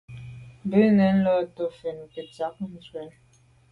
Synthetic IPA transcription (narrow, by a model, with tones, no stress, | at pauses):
bə˦nɛ˨˦n̩˦lɔ˦˨to˦fe˨n˨ke˨ta˨˦k̚n̩˦˨zwɛ˨˦n